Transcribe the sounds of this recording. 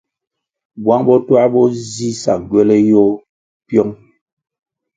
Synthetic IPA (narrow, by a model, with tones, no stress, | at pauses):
bwa˦ŋbɔ˦twa˦bɔ˦zi˦sa̰˨ŋ˨ɡɥɛ˦lɛ˦jɔ˦ | pjɔ˦ŋ